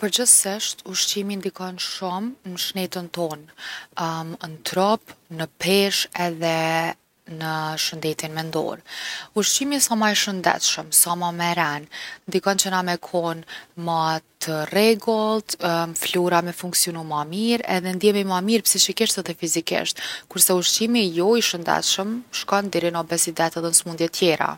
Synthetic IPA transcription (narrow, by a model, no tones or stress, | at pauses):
pəɾd͡ʑəsiʃt̪uʃt͡ɕimind̪ikɔnʃumnəʃnɛt̪ənt̪ɔn | nt̪ɾɔpnəpɛʃɛðɛ | nəʃənd̪ɛt̪inmɛnd̪ɔ̰ɾuʃt͡ɕimisɔmaɛʃənd̪ɛ̰t̪ʃəmsɔmamɛɾɛnnd̪ikɔnt͡ɕənamɛkʰɔnmat̪ʰərɛɡɔlˠt̪mfluɾamɛfuŋksiɔnumamiɾɛ̰ðɛnd̪jɛmimamiɾpsiʃikiʃt̪ɛðɛfizikḭʃt̪kuɾsɛuʃt͡ʃimijɔiʃənd̪ɛ̰t̪ʃəmʃkɔnd̪ɛɾinɔbɛsid̪ɛt̪ɛðɛnsmund̪jɛt̪ʰjɛɾa̰